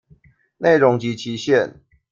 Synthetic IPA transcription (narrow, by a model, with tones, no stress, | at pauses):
ne˥˨ɪɻʊ˨˦ŋt͡ɕi˨˦t͡ɕʰi˨˦ɕjɛ˥˨n